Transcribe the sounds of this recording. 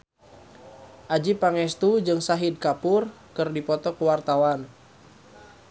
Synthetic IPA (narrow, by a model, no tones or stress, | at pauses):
ʔad͡ʒipaŋɛst̪ud͡ʒɨŋsaɦid̚kapʊr | kɨrdipɔt̪ɔkəwart̪awan